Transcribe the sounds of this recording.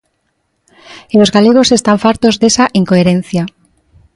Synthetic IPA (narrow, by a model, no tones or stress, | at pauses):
elo̞zɣale̞ɣ̞o̞se̞st̪aɱfaɾt̪o̞zðe̞saʔiŋkoeɾẽ̞n̟θja